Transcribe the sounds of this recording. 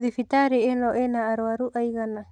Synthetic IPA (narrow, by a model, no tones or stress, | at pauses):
ðifit̪aɾiɛnɔʔɛnaːɾuaɾuʔajɡana